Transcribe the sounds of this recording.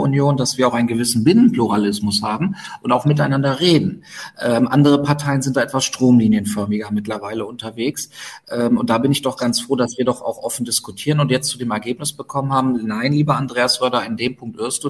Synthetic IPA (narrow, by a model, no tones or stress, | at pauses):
ʊ̰njoːndasv̥iːɐaʊxaɪnɡəvɪsn̩bɪnənpluʁalɪsmʊshaːbm̩ʔʊntaʊxmɪtaɪnandɐʁeːdn̩ʔɛːmʔa̰ndəʁ̞əpʰaɐtʰaɪənzɪntd̥aːʔɛtv̥asʃtʁ̥oːmliːnjənfœɐmɪɡɐmɪtlɐvaɪləʊntɐveːksʔɛːmʊnt̚d̥aːbɪnɪçd̥ɔχɡ̥ant͡sfʁ̥oːdasv̥iːɐdɔχa̰ʊxʔɔfn̩dɪskutʰiːʁənʊntjɛt͡stt͡sudeːmɛɐɡeːpnɪsb̥əkʰɔmənhaːbm̩naɪnliːbɐandʁeːasv̥œɐdɐɪndeːmpʰʊŋktʔɪɐstu